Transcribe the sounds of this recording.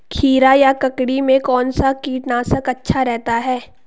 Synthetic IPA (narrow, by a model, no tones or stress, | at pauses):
kʰiːɾajakɐkɽimẽkɔːnsakiːʈnaːsəkɐtːʃʰaɾɛɦt̪aɦɛː